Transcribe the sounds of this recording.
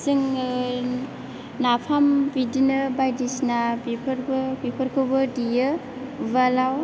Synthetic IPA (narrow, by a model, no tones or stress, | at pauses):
siŋ | napʰambidinɯbajdisnabipʰɾbbipʰɯɾkʰɯbɯdijɯ | balaw